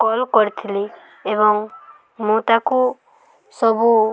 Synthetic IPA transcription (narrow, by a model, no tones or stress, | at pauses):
kɔlkɔɾt̪ʰili | eβɔŋ | mũt̪aku | sɔbu